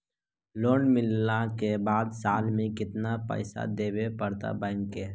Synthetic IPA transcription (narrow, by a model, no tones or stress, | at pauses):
loːnmɪlːakebaːd̪saːlmẽkɪt̪napə̰ɪsa̰d̪eːbepəɾt̪a̰bɛ̃ːŋkeː